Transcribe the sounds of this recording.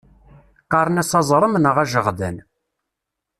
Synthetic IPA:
qɑɾˤənæsɑzˤɾˤəmnəʁæʒəʁðən

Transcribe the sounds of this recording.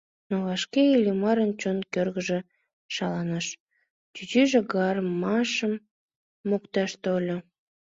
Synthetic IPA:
noβɑʃkeilʲimɑɾənt͡ɕonkørɣəʒe | ʃɑlɑnɑʃ | t̪yt͡ɕyʒĕɡɑrmɑʃəmː | okt̪ɑʃt̪olʲo

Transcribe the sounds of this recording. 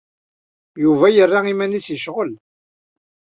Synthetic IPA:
juvæjərːaimænit͡sjəʃʁəl

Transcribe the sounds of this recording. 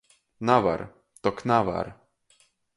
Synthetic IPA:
nava̰ɾ | t̪ɔknava̰ɾ

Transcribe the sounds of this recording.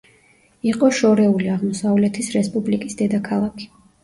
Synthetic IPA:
iqʼɔʃɔɾɛuliaʁmɔsavlɛt̪ʰisɾɛspʼublikʼisd̪ɛd̪akʰalˠakʰi̥

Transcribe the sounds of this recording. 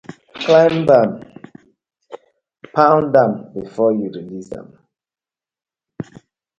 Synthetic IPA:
klãɪmdãm | pãʊ̃ndãmbifɔjuɹilizã̰m

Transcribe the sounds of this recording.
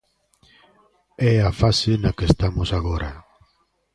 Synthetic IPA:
ɛafasenakest̪amosaɣ̞oɾa

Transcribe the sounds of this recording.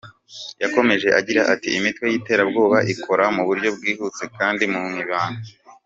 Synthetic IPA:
jako̞me̞ʒe̞ʔaɟiɾaʔatiimitwe̞jiːte̞ːɾabɡo̞ːβaʔikʰo̞ɾamuβuɾɟo̞b̚ɡwiːhut͡se̞kaːndimuŋiβaːno

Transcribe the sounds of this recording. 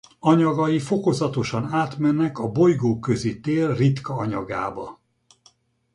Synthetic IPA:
ɒɲɒɡɒjifo̞ko̞zɒt̪o̞ʃɒnaːt̪mɛnːɛkɒbo̞jɡoːkø̞zit̪eːlrit̪kɒɒɲɒ̰ɡa̰ːbɒ

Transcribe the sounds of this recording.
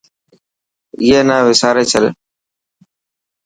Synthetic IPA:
ɪːeːnaːʋɪsaːɾeːt͡ʃʰəl

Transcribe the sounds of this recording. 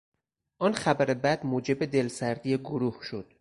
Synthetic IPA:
ʔɒnxæbæɾebæd̪̥moːd͡ʒe̞bed̪e̞lsæɾd̪iːjeɡoɾuhʃod̪̥

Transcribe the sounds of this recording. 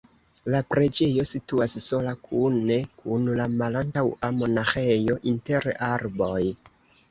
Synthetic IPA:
lapɾe̞d͡ʒe̞jo̞situasso̞lakʰune̞kunlamalantawamo̞naxejo̞ʔinte̞ɾaɾbo̞j

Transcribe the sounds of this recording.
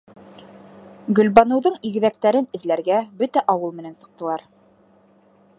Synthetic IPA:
ɡɵ̆lβɑnɤ̆wðɤɴiɡɘ̆ðæk̚t̪æɾɘnɘ̆ðlæɾɡæbɵt̪æʔɑwɤlˠmɘ̆nænsɤ̆q̚t̪ɤ̆lˠɑɾ

